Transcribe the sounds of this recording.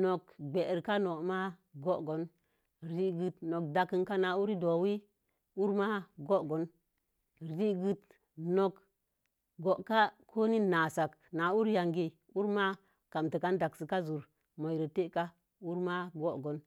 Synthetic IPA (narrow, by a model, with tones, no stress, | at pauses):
no˨kɡ͡be˨ʔɾka˦no˨ma˦ɡo˦ʔɡo˨˦n | ɾi˨ɡɨ˨tno˨k̚da˨kə˨nka˦na˨u˦ɾi˦do˨wi˦ | u˦ɾma˦ɡo˦ʔɡo˨˦n˨ | ɾi˦ɡɨ˨t | no˨k | ɡo˨ʔka˦kʰo˦ni˦na˨sa˨kna˨u˦ɾja˨ŋɡi˦ | u˦ɾma˦ | ka˨mtə˨ka˦n˦da˨ksi˨ka˦zu˨ɾ | mo˨jɾə˨te˦ʔka˦ | u˦ɾma˦ɡo˦ʔɡo˨˦n